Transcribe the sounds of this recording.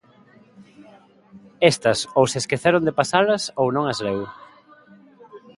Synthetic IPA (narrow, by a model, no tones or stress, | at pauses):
est̪ɐsowseskeθɛɾond̪epasalɐsownõŋɐzlew